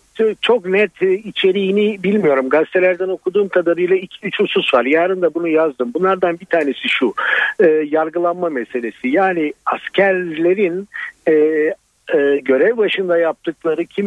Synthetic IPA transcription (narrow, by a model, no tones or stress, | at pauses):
t͡ʃʰo̞knɛt̪ʰːit͡ʃʰe̞ɾijːnibilʲmijo̞ɾumɡast̪ʰe̞lʲæɾd̪æno̞kʰud̪uːmkʰad̪aɾɯjlˠaicʰiyt͡ʃʰunsusvaɾjaːɾɯnd̪abunujazd̪ɯmbunlˠaɾd̪anbit̪ʰaːne̞siʃuɯjaɾɡɯlˠanmamese̞lʲe̞sijaːniascʰæɾlʲe̞ɾinɛː | ɟø̞ɾɛvbaʃɯnd̪ajap̚t̪ʰɯklˠaɾɯcʰim